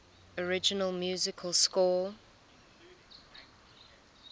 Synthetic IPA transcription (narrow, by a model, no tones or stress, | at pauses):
əɹɪd͡ʒənəlˠmjuːzɪkʰəlˠskɔː